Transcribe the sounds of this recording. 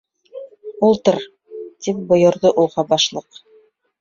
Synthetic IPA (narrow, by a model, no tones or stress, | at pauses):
ulˠt̪ɤɾ | t̪ip̚bŏjŏɾðoʔulˠʁɑbɑʃlˠɤq